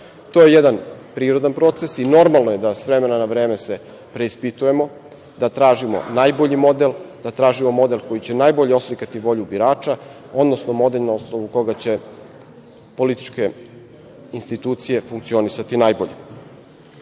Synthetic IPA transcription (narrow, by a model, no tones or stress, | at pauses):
t̪o̞ːje̞jed̪anpɾiːɾo̞d̪anpɾo̞t̪se̞sino̞ɾmalnoje̞d̪asʋɾe̞me̞nanaʋɾe̞ːmese | pɾe̞ispit̪uje̞mo̞ | d̪at̪ɾaːʒimo̞̰naːjbo̞ʎimo̞d̪elˠd̪̥at̪ɾaːʒimo̞mo̞d̪e̞lko̞jit͡ɕe̞najbo̞ʎeo̞slikat̪iʋo̞ʎubiɾaːt͡ʃa | o̞d̪nosnomo̞d̪e̞ʎnaosnoʋuko̞ɡat͡ɕe̞ | po̞lit̪i̥t͡ʃke̞ | inst̪it̪uːt̪sije̞fuŋk̚tsio̞nisat̪inajbo̞̰ʎe